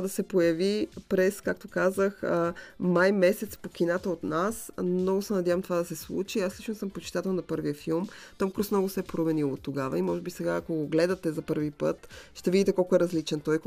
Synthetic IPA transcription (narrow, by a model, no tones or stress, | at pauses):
d̪ɐsɛpojɐvipɾɛskakt̪okazəxəmajmɛsɛt̪spokʲinat̪əot̪nasmnɔɡʊsɛnɐd̪ʲjavɐəmt̪ovad̪ɐsɛslˠṵt͡ʃiaslit͡ʃnosəmpot͡ʃi̥t̪at̪ɛlˠnɐpɤɾviəfilˠmt̪omkɾusmnɔɡʊsɛɛpɾomɛnilˠot̪ːoɡavɐ̰imɔʒɛbisɛɡaːkoɡoɡlɛd̪ɐt̪ɛzɐpɤɾvipə̰t̪ʃt̪ɛvid̪ʲit̪ɛkɔlˠkoɛɾɐzlit͡ʃɛnt̪ɔj